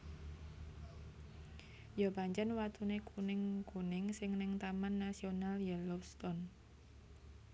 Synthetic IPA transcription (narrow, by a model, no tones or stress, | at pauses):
jɔpaɲt͡ʃɛnwat̪unekʰunɪŋkunɪŋsɪŋnɪŋt̪amanːasionaljɛlɔpst̪ɔn